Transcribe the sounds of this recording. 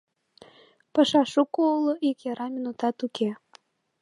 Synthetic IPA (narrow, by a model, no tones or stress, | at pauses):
pɑʃɑʃukouloʔikjɑɾɑminut̪ɑt̪uke